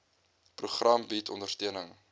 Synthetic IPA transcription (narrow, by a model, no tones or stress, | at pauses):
pruχrʔɐmbitʰɔndərtiənəŋ